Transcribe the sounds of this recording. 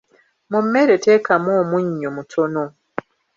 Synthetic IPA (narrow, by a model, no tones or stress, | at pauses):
mumːeɾeteːkamoːmuɲːomutʰo̞no